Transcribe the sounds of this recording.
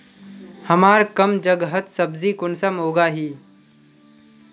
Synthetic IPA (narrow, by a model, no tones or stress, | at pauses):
həmaːɾkəmd͡ʒəɡɦət̪səbzikʊnsamoːɡaːɦiː